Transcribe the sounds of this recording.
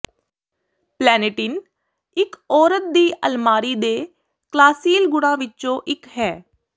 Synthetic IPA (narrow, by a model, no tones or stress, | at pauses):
plɛːnɪʈɪn | ɪkɔːɾət̪̚d̪iːʔəlmaːɾiːd̪eː | klaːsiːlɡʊɽãːʋɪtːt͡ʃõːʔɪkɦɛː